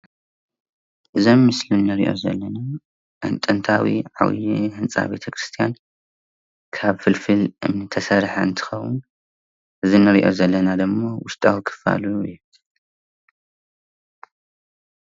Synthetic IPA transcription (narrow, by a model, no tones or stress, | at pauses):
ʔɨzomːɨslinːɨɾiʔo̞̰zɐ̰lːɐna | ʔɨ̰nt̪ʼɨnt̪ʰawḭʕa̰wḭjihɨnt͡sʼa̰be̞̰t̪ʰɐkɾɨst̪ʰijan | kʰaβfɨlfɨlʔɨ̰mnɨt̪ʰɐsɐɾħa̰ɨnt̪ʰɨ̥xɐwɨ̰n | ʔɨzinɨɾiʔo̞̰zɐlːɐnad̪ɨmːowʊst̪ʼawikʰɨ̥fa̰luut̪